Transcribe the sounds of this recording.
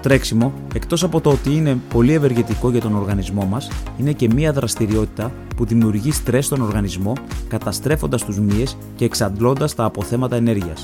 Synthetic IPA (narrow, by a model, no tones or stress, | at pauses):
t̪ɾe̞ksimo̞ | e̞kt̪o̞sɐpo̞t̪oot̪iine̞po̞lie̞ve̞ɾʝe̞t̪iko̞ʝɐt̪o̞no̞ɾɣɐnizmo̞mɐsine̞ce̞miɐðɾʔɐst̪iɾio̞t̪i̥t̪ɐ | puðimiuɾʝist̪ɾe̞st̪o̞no̞ɾɣɐnizmo̞kɐt̪ɐst̪ɾe̞fo̞nd̪ɐst̪uzmie̞s | ce̞ːksɐnd̪lo̞nd̪ɐst̪ɐːpo̞θe̞mɐt̪ɐene̞ɾʝiɐs